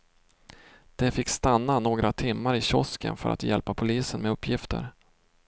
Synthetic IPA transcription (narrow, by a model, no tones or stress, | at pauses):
d̪̥ɛfɪkːst̪anːanoːɡɾat̪ʰɪmːaɾɪɕɔskə̰nfœ̰ɾʔa̰t̪jɛlpapʰʊliːsənmɛɵpːjɪft̪ə̰ɾ